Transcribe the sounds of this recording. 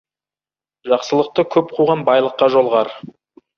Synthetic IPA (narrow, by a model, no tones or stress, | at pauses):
ʒɑqsəlˠəq̚t̪əkʲʰɵp̚qʰuʁɑnbɑjlˠəqːɑʒo̞lˠʁɑɾ